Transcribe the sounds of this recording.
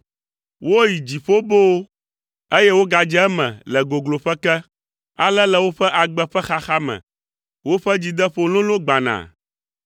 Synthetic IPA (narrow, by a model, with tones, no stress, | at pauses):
wo˦ji˨d͡ʑi˨ɸo˦bo˦ | e˦jɛ˦wo˦ɡa˨d͡ʒɛ˦ɛ˦mɛ̰̃˨lɛ˨ɡo˨ɡlo˨ɸɛ˦kɛ˦ | a˨lɛ˦lɛ˦wo˦ɸɛ˦ʔa˨ɡ͡bɛ˦ɸɛ˦xa˦xa˦mɛ̰̃˨ | wo˦ɸɛ˦d͡ʑi˨d̪ɛ˦ɸo˨lõ˦lõ˦ɡ͡ba˨nã̰˨